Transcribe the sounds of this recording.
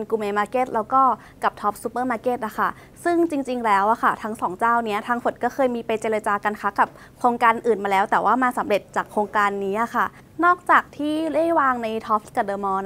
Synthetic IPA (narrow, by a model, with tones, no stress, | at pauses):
nkuː˧meː˧maː˧˥ke˧˩t̪̚lɛː˦˥wkɔː˥˩ | ka˨˩p̚t̪ʰɔ˦˥p̚suː˧˦˥pɤː˥˩maː˧˥ke˧˥˩t̪̚ʔa˨˩kʰa˥˩ | sɯ˥˩ŋt͡ɕi˧ŋt͡ɕi˧ŋlɛː˦˥wʔa˨˩kʰa˥˩t̪ʰa˦˥ŋsɔː˩˦ŋt͡ɕaː˥˩wni˦˥ɐt̪ʰaː˧ŋfo˨˩t̪̚kɔː˥˩kʰɤː˧jmiː˧pa˧jt͡ɕeː˧ɾaː˧t͡ɕaː˧ka˧nkʰaː˦˥ka˨˩p̚ | kʰɾoː˧ŋkaː˧nʔɯː˨˩nmaː˧lɛː˦˥wt̪ɛː˨˩waː˥˩maː˧sa˩˦mɾe˨˩t̪̚t͡ɕaː˨˩kʰɾoː˧ŋkaː˧nːiː˦˥ʔa˨˩kʰa˥˩ | nɔː˥˩k̚t͡ɕaː˨˩k̚t̪ʰiː˥˩le˥˩jwaː˧ŋna˧jt̪ʰɔː˦˥p̚ka˧˩dɤː˨˧mɔː˧n